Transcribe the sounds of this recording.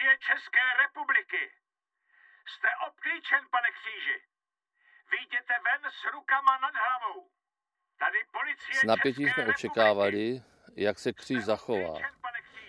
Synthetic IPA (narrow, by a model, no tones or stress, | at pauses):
jɛt͡ʃɛskɛːɾɛpublɪkɪ | st̪ɛʔop̚kliːt͡ʃɛnpanɛkr̥iːʒɪ | vɪjɟɛt̪ɛvɛnsɾukamanad̪ɦɾavow | t̪adɪpolɪt͡sɪjɛnapjɛc̬iːsmɛʔot͡ʃɛkaːvalɪ | jaksɛkr̥iːʒzaxova̰ːnpanɛkr̥i